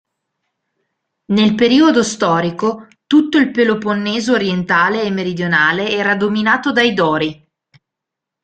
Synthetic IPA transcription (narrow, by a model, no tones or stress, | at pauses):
nelpeɾiːod̪ost̪ɔːɾiko | t̪ut̪ːoilpeloponːeːzoːɾjent̪aːleːmːeɾid̪jonaːleɛːɾad̪ominaːt̪od̪ajd̪ɔːɾi